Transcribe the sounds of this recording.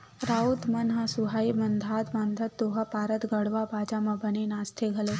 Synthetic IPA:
ɾaːut̪mɐnɦɐsuɦaːimɐnd̪ʱaːt̪baːnd̪ʱɐt̪ːoːɦɐpaːɾət̪ɡɐɽʋabaːd͡ʒamɐ̃bɐnenaːst̪ʰeɡʱɐle

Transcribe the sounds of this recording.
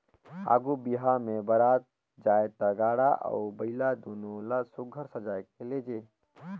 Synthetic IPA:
a̰ːɡubiɦamebəɾat̪̚ | d͡ʒaːjet̪aɡaːɽaʔə̰ʊbəɪlad̪oːnolasʊɡʱəɾsəd͡ʒaːekeled͡ʒe

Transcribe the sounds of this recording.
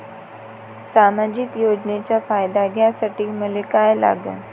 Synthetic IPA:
saːmad͡ʑɪkjoːd͡ʒnet͡ɕafaːjd̪aɡjasɐʈiməlekajela̰ːɡa̰

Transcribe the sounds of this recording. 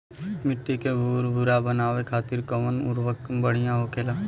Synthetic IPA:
mɪʈːikebʱuɾbʱʊɾabənaːʋekʰaːt̪ɪɾkəʋənʊ̰ɾʋəkbəɽ̤ijãɦokeːlaː

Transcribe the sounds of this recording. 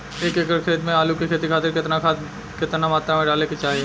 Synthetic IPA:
eːkeːkəɾkʰeːt̪mẽaːlukikʰeːt̪ikʰaːt̪ɪɾkɪt̪nakʰa | kɪt̪namaːt̪ɾamẽɖaːleket͡ʃaːɦie

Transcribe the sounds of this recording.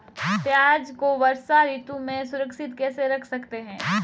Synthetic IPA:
t̪jaːd͡ʒkoʋɐɾsaɾiːt̪ũmẽsʊɾəkʃɪt̪kɛːseɾɐkʰsɐkt̪eɦɛ̃ː

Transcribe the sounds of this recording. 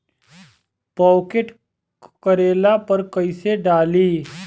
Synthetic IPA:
pɔːkeʈ | kəɾeːlapɐɾkɐiseɖaːliː

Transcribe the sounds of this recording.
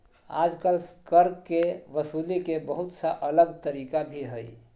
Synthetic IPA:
a̰d͡ʒkəlskəɾkkːeʋəsulikebəɦut̪saʔələɡt̪əɾikabʱiɦəj

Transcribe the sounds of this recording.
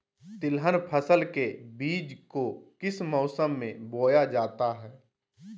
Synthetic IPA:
t̪ɪlɦənpʰəsəlkebiːd͡ʒkokɪsmɔːsəmːẽboːjad͡ʒaːt̪aɦɛː

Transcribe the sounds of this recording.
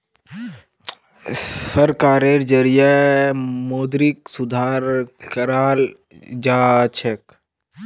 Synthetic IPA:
sɐɾkaːɾeɾd͡ʒəɾija | moːd̪ɾiksʊd̪ʱaːɾkəɾaːl | d͡ʒaːt͡ʃʰek

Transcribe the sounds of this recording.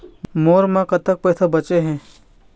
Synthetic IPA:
moːɾmãkɐt̪ək̚pɛːsabɐt͡ʃeɦɛ̃ː

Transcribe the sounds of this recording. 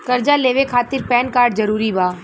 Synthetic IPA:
kɐɾd͡ʒaleːʋekʰaːt̪ɪɾpɛːnkaːɾɖzɐɾuːɾibʱaː

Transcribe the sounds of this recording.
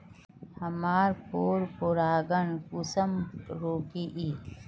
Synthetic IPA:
hɐmaːɾpoːɾpoɾaːɡɐnkusəmɾoːkiʔiː

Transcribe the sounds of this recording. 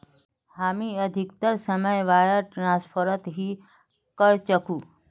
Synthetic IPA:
haːmiəd̪ʱik̚t̪əɾsəməjʋaːjəʈɾãspʰəɾət̪ɦi | kəɾt͡ʃəkuː

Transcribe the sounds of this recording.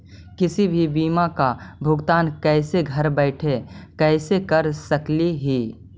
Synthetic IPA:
kɪsibʱibiːmakabʱʊɡt̪aːnkɛːseɡʱɐɾbɛɪʈʰekɛːsekɐɾsɐkliɦi

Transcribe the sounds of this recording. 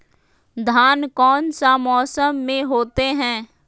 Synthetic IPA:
d̪ʱaːnkɔːnsamɔːsəmːẽɦoːt̪eɦɛ̃ː

